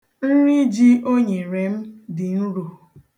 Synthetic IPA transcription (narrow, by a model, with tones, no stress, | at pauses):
n̩˦ɾi˦d͡ʒi˦o˦ɲe˨ɾe˨m̩˦dɪ˨n̩˦ɾu˨